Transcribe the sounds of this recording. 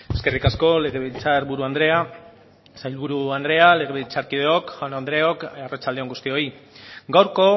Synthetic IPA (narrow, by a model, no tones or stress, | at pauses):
e̞ske̞rikasko̞le̞ɣ̞e̞βilt͡saɾβuɾuand̪ɾe̞a | sajlβuɾuand̪ɾe̞ale̞ɣ̞e̞βilt͡saɾkið̞e̞o̞kʝanand̪ɾe̞o̞karat͡ʃald̪eoŋɡust̪io̞iɡawɾko̞